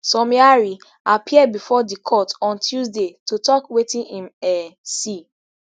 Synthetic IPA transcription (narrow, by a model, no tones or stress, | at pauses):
sɔmiaɹi | apʰiɛd̚bifɔdikʰɔtɔ̃ntʰjuzdetutɔkwetĩnĩmɛsi